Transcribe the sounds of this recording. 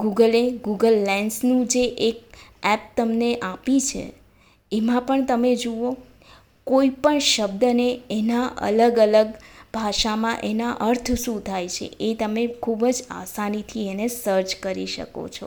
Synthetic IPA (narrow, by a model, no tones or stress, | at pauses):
ɡuɡəleɡuɡəlːɛnsnũd͡ʒeʔek̚ɛp̚t̪əmneʔapit͡ʃʰḛ | emãpəɳt̪əmed͡ʒoo | koipəɳʃəb̚d̪əneenaʔə̰ləɡələɡbʱaʃamãʔenaʔəɾt̪ʰəsũt̪ʰajt͡ʃʰḛet̪əmekʰubd͡ʒa̰sanit̪ʰienesəɾt͡ʃkəɾiʃə̰ko̰t͡ʃʰo̰